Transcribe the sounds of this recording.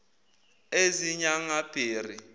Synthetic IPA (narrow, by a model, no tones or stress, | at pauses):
eziɲaŋab̥ʱiːri